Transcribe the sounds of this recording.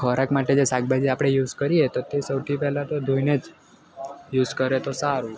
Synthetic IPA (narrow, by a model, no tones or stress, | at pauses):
kʰəɾakmaʈed͡ʒesak̚bʱad͡ʒiapɽ̃ejuzkəɾiet̪ot̪esəwt̪ʰipɛɦlat̪od̪ʱũjned͡ʒ | juzkəɾet̪osaɾũ